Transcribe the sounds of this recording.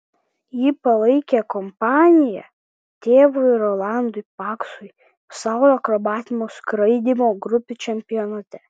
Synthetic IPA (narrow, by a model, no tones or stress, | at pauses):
jiːpɐlˠɐɪkʲekɔmpɑːnʲɪjɛ̰ | t̪ʲeːʋʊɾɔlˠɑˑnd̪ʊɪpɑːksʊɪ | sɑˑʊɾɔːɐkɾɔbɑːt̪ʲɪmoskɾɐɪd̪ʲimoːɡɾʊpʲɪt͡ʃʲɛmʲpʲɪjɔnɐt̪ʲɛ